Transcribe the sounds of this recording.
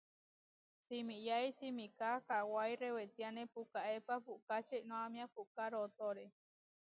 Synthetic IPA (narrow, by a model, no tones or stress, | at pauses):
simijaisimikakawajrewet̪ianẽpukaʔepapukat͡ʃeinõamĩapuʔkaɾot̪oɾe